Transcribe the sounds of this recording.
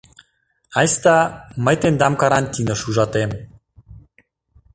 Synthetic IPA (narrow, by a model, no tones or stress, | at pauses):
ɑjst̪ɑmə̆jt̪end̪ɑmkɑɾɑnt̪ʲinɤ̆ʃuʒɑt̪em